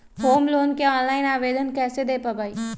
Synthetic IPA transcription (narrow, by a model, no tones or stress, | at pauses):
hoːmloːnkeɔːnlaːɪnaːʋeːd̪ənkɛːsed̪eːpabʱaːiː